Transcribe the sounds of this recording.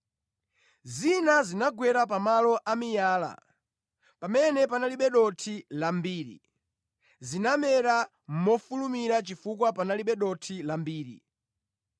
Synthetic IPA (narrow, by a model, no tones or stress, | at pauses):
zinazinaɡwɛɾapamalɔʔamijaːla̰ | pamɛnɛpanaliɓɛɗɔtʰilambiːɾḭ | zinamɛɾa | m̩mɔfulumiɾat͡ʃifukwapanaliɓɛɗɔtʰilambiːɾḭ